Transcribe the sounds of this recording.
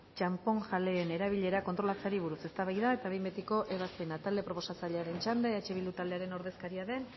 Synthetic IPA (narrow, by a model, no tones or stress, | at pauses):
t͡ʃampo̞ŋʝale̞ːne̞ɾaβiʎe̞ɾako̞nt̪ɾo̞lat͡saɾiβ̞uɾuse̞st̪aβajðae̞t̪aβembet̪iko̞ʔe̞βaspe̞nat̪ald̪e̞pɾo̞po̞sasaʎeaɾe̞nt͡ʃand̪aeat͡ʃe̞βilut̪ald̪eaɾe̞no̞ɾðe̞skaɾiaðe̞n